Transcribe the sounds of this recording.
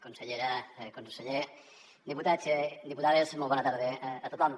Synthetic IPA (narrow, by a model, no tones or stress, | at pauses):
konseʎeɾakonseʎe | d̪iput̪at͡ʃed̪iput̪aðezmoβonat̪aɾð̞eat̪ot̪lan